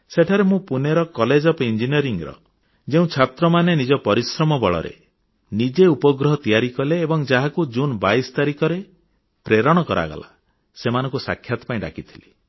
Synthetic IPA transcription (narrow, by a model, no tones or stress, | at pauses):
seʈʰaɾemũpuneɾɔkɔled͡ʒɔpɔind͡ʒiniɔɾiŋɾɔ̰ | d͡ʒeũt͡ʃʰat̪ɾɔmanenid͡ʒɔpɔɾisɾɔmɔbɔɭɔ̰ɾḛ | nid͡ʒeupɔɡɾɔɦɔt̪ijaɾikɔleːbɔŋd͡ʒaɦakud͡ʒunbajst̪aɾikɔɾe | pɾeɾɔɽ̃ɔkɔɾa̰ɡa̰la̰ | semanɔ̃ŋkusa̰kʰːjat̪ɔ̥paĩɖa̰kit̪ʰi̥li